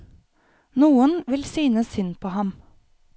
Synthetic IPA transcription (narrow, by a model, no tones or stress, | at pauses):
nuːənʋɪlsyːnəsʏnpʰoːhɑm